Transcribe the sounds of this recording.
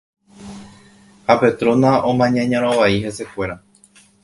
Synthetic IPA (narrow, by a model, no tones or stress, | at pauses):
hape̞t̪ɾõ̞naʔõmãɲãɲãɾ̃õʋaihe̞se̞kʷe̞ɾa